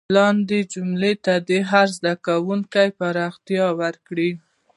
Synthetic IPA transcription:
lɑnd̪ed͡ʒumlet̪ad̪eɦaɾzd̪akawuŋkajpaɾɑxt̪ijɑwəɾkɽi

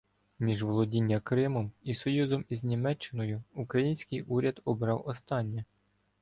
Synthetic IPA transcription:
mʲiʒʋɔlˠɔdʲinʲːɐkɾɪmɔmisɔjuzɔmiznʲimɛt͡ʃːɪnɔjʊukɾɐjinʲsʲkɪjʔuɾʲɐd̪ɔbɾɑwɔst̪ɑnʲːɛ

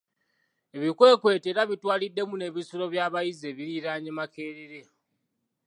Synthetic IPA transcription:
e̞βikwe̞ːkwe̞ːteɾaβitwaːlidːe̞mune̞βisuɾo̞βjaːβajize̞βiɾiɾaːɲemake̞ːɾeɾe̞

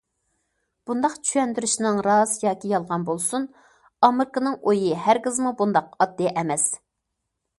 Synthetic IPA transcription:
b̥und̪ɑqt͡ʃʰyjɛnd̪yɾyʃnɨŋɾɑzjɑːkʲijɑlˠʁɑnbolˠsun | ɑmɨɾkɨnɨŋojihæɾkʲɪzmubund̪ɑqɑd̪ːiʔɛmɛs

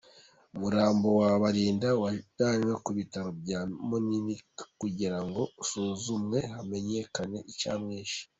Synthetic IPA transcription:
umuɾaːmbo̞waβaɾiːndawad̥aːɲwakuβitaɾob̚jaːmonimikkuɟiɾaŋɡo̞suːzumŋe̞hame̞ɲe̞kane̞ʔit͡ʃa̰ːmŋeːʃi̥

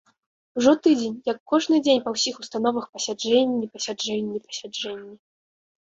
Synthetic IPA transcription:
uʐɔt̪ɨd͡zʲenʲjɐkːɔʐnɨd͡zʲenʲpɐwsʲixust̪an̪ɔvɐxpɐsʲad͡ʐɛnʲːipɐsʲad͡ʐɛnʲːipɐ̥sʲad͡ʐɛnʲːi

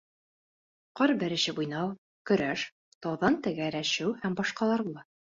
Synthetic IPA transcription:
qɑɾbɘ̆ɾɘ̆ɕɘbujnɑw | kɵ̆ɾæʃ | t̪ɑwðɑnt̪ɘ̆ɡæɾæʃɘwhæmbɑʃqɑlˠɑɾbulˠɑ

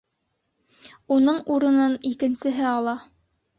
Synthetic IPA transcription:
unɤɴuɾɤ̆nɤnikɘ̆nsɘ̆ɦɘɑlˠɑ

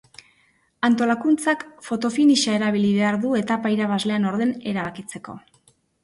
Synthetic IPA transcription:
ant̪o̞lakunt͡sakfo̞t̪o̞finiʃae̞ɾaβiliβe̞aɾðue̞t̪apaiɾaβazle̞ano̞ɾðe̞ne̞ɾaβakit͡se̞ko̞̰

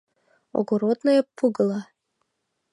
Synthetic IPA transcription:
o̰ɡoɾod̪nojepːuɡɤ̆lˠɑ

